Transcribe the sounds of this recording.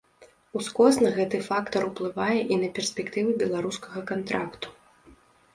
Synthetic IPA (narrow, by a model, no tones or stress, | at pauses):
uskɔsnɐɣɛt̪ɨfakt̪ɐɾuplˠɨvajɛʔinɐpʲɛrsʲpʲɛkt̪ɨvɨbʲɛlˠaɾuskɐɣɐkant̪ɾakt̪u̥